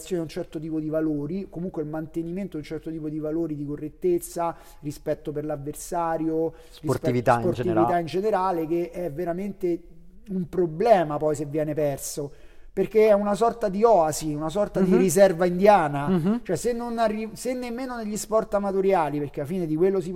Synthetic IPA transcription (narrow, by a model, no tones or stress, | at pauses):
sːjoːnaunt͡ʃɛrt̪ot̪iːpod̪ivaloːɾikomuŋkweilmant̪eniment̪oiunt͡ʃɛrt̪ot̪iːpod̪ivaloːɾid̪ikorːet̪ːet̪sːa | rispɛt̪ːoperlavːersaːɾjo | rispivitt̪apoɾivit̪aind͡ʒeneɾaːlek̟eʔɛvːeɾament̪e | umpɾoblɛːmapɔjs̬evːjɛːnepɛrso | perkeɛunasɔrt̪ad̪iɔːasiunasɔrt̪ad̪iɾis̬ɛrvaind̪jaːnat͡ʃoɛsenːonarːisenːemːeːnoneʎːispɔrt̪amat̪oɾjaːliperk̟eafiːned̪ikwelːosi